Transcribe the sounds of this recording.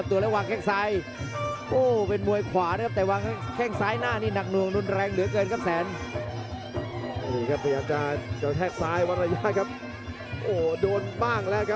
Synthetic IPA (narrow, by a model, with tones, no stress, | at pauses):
a˦˩t̪u˧lɛː˦˥waː˧ŋkʰɛː˥˩ŋsaː˦˥j | ʔoː˧˩pe˧nmu˧əjkʰwaː˩˦na˦k̚ʰt̪ɛː˨˩waː˧ŋkʰkʰɛ˥˩ŋsaː˦˥jnaː˥˩niː˥˩na˨˩k̚nu˧˩əŋnu˧nɾɛː˧ŋlɯ˩˦kɤː˧nkʰa˦˥p̚sɛː˩˦n˧˩ | jiː˨˩kʰa˦˥p̚ʰːa˧jaː˨˧˩k̚t͡ɕa˧ka˧t̪ʰɛː˥˩k̚saː˦˥jwa˦˥t̪̚ɾa˧ja˦˧˥kʰa˦˥p̚ | ʔoː˨˩doː˧nbaː˥˩ŋlɛː˦˥wkʰa˦˥